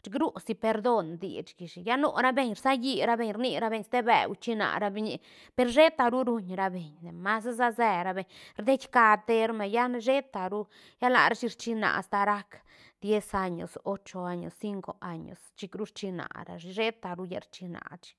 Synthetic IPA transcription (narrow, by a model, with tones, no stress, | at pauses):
t͡ʃi˧ɡɾu˦si˧pe˧ɾd̪o˦nd̪ḭ˨t͡ʃɡi˨ʃi˨ja˦no̰˧ɾa˦be˧ɲɾsa˦ji˧ɾa˧be˧ɲɾni˧ɾa˦be˧ɲst̪e˦bḛ˨wt͡ʃi˧na̰˨ɾa˧bi˧ɲi˧ | pe˧˨ɾʃe˦t̪a˧ɾu˦ɾu˧ɲɾa˧be˨ɲne˨ma˦sza˦ze˧ɾa˧be˧˨ɲɾd̪e˦t͡ʃʲka˧t̪e˦ɾme˨ja˦ʃe˦t̪a˨ɾu˦ | ja˦la̰˨ɾa˦t͡ʃi˧ɾt͡ʃi˧na̰˨ʔst̪a˧ɾa˦k | d̪je˦sa˧ɲo̰˨so˦t͡ʃo˧a˧ɲo̰˨sːi˦ŋko˨a˧ɲo̰˨st͡ʃi˧kɾu˦ɾt͡ʃi˧na̰˨ɾa̰˧i˧ʃe˦t̪a˨ɾu˦ja̰˧ɾt͡ʃi˧na̰˨t͡ʃi̥